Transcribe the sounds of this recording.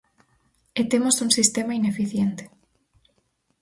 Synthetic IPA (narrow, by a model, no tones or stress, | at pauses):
et̪emosuŋsist̪emainefiθjent̪e̥